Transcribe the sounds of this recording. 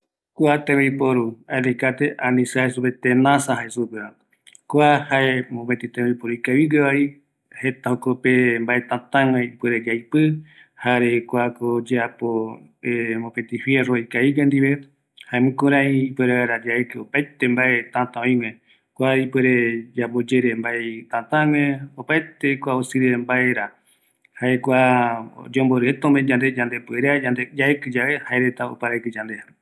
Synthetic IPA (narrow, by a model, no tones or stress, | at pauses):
kʷat̪ẽβejpoɾualikat̪eʔanĩsahesupet̪enãsãɦaesupea | kʷahaemõmet̪it̪ẽβejpoɾuikaβiɡeβai | het̪ahokopembaʔet̪ãt̪ãŋẽipeɾed͡ʒajpɨ | haɾekʷakod͡ʒeapo | emõpẽt̪ifjeroikaiɡend̪iβe | haemɨ̃kõɾãĩːpweɾeaɾad͡ʒaekɨopajt̪embaʔet̪ãt̪ãõj̃mẽ | kʷaipweɾed͡ʒabod͡ʒeɾembaeet̪ãt̪ãŋẽopajt̪ekʷaosɨɾembaeɾa | haekʷa | d͡ʒomboɾɨet̪õmed͡ʒãnd̪ed͡ʒand̪epweɾeaand̪ed͡ʒaekɨd͡ʒaβe̞haeɾet̪ao̰paɾajkɨd͡ʒãnd̪eha